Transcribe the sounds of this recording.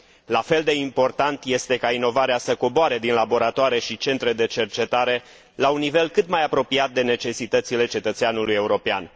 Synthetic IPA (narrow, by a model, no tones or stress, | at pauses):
lafe̞ld̪e̞impo̞rt̪ant̪je̞st̪e̞kaino̞vaɾeasəko̞boaɾed̪inlabo̞ɾat̪oaɾeʃit͡ʃe̞nt̪ɾe̞d̪e̞t͡ʃe̞rt͡ʃe̞t̪aɾe̞ | launːive̞lkɨt̪majapɾo̞piat̪̚d̪e̞ne̞t͡ʃe̞sit̪ət̪sile̞t͡ʃe̞t̪ət̪seanuluje̞uɾo̞pea̰n